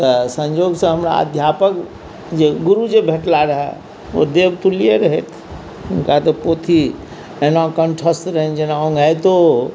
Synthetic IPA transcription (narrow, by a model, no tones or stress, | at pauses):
t̪əsə̃ɲd͡ʒoɡsə̃ɦəmɾa̰ə̰d̪ʱjapək | d͡ʒeɡuɾud͡ʒebʱeʈlaɾəɦɛ̰ | o̰d̪ebt̪ulieɾəɦɛt̪ʰ | unkat̪əpot̪ʰi | enãkəɳʈʰəst̪ɾəɦɛnd͡ʒenaɔ̃ŋɡʱajt̪o